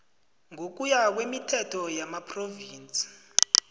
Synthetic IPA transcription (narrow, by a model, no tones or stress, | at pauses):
ŋok̬ujak̬wemitʰɛtʰɔjamapʰroviːnt͡sʼi̥